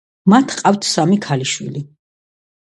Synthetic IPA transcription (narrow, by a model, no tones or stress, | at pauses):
mat̪ʰqʼaft̪ʰsamikʰaliʃwḭli